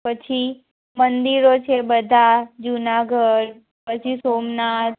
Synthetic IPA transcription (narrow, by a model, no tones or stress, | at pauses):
pət͡ʃʰi | mənd̪iɾot͡ʃʰebəd̪ʱad͡ʒunaɡʱəɽ | pət͡ʃʰisoːmnat̪̚